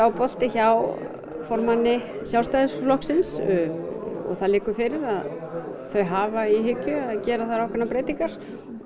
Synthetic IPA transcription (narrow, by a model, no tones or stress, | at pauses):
awpɔl̥t̪ɪçaw | fɔɾmanːɪsjawst̪ajðʏslɔhksɪns | ɔ̰ɣθaðlɪːkʏfɪɾɪɾað | θœɥɦaːvaiɦʏcːʏaðcɛːɾaθaðɾawkʰvɛnapɾeːjt̪iŋkaɾ̥